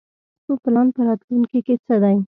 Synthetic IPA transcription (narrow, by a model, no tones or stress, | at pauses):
soplɑnpəɾɑt̪lunkeket͡səd̪ɑj